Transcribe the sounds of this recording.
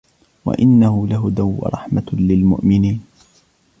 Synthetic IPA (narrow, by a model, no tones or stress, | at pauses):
wa̰ʔɪnːahʊlaɦʊd̪aw̰ːɾˤɑ̰ħmalɪlmʊ̰ʔmɪniːn